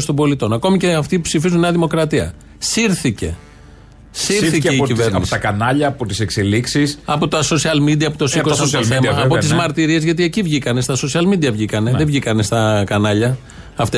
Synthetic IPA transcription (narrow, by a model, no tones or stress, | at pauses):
st̪o̞mbo̞lit̪o̞nɐko̞miceɐft̪ipsifizuneɐðimo̞kɾɐt̪iɐ | siɾθice̞ | siɾθieiciveɾniosɐkɐnɐʎɐːpot̪i̥sekseliksisɐpo̞t̪oɐso̞siɐlmid̪iɐːpot̪osikossoθθemɐːpot̪izmɐɾt̪iɾie̞zʝɐt̪ie̞civʝikɐne̞st̪ɐso̞siɐlmid̪iɐvʝikɐneðevʝikɐne̞st̪ɐkɐnɐʎɐ | ɐft̪e